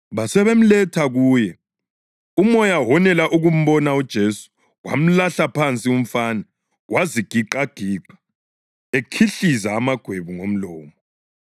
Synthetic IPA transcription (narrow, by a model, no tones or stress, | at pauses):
βasɛβem̩lɛtʰaɣuːjɛ | umɔjaɦɔnɛlaʔuɣum̩βɔnaud̥ʒ̥ʱesu̥ | ɣwa̰m̩laɬapʰant͡sʼium̩fanɛ | ɣwʔaziɡ̥ʱiǃaɡ̥ʱiːǃḁ | ekʰiɬizaːmaɡ̥ʱweβuŋom̩lɔːmɔ